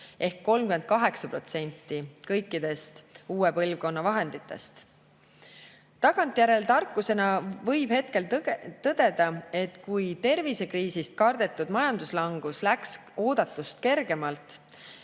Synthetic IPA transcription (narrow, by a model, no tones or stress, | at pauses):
ʔe̞hkːo̞lmkyme̞nd̪̚kɑɦe̞ksɑpro̞t̪se̞nʲt̪ːikɤ̞jkːˑid̪̥e̞st̪uːepɤ̞lvko̞nːɑvɑɦe̞nd̪̥it̪ːˑe̞̰st̪ | t̪ɑɡ̥ɑnt̪ːˑjæɾe̞lt̪ɑrkːˑuse̞nɑvɤjb̥he̞t̪̚ke̞lt̪ɤd̪̥e̞d̪ɑe̞t̪kujt̪e̞rvise̞kriːsist̪̚kɑrd̪̥e̞t̪ːˑud̪̥mɑjɑnd̪uslɑŋɡ̥uslæks | o̞ːd̪̥ɑt̪ːˑust̪̚ke̞rɡ̥e̞mɑlt̪ˑ